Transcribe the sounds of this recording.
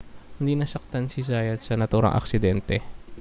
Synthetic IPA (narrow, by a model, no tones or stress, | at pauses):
hɪnd̪iːnɐsɐk̚t̪ansizajɐssɐnɐt̪uːɾɐ̰ŋʔɐ̰ksɪd̪ɛnt̪ɛ